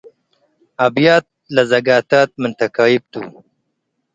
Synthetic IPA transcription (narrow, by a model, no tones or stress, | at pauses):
abjaːt̪̚lazɐɡaːt̪aːt̪̚mʊnt̪akaːjib̚t̪ṵ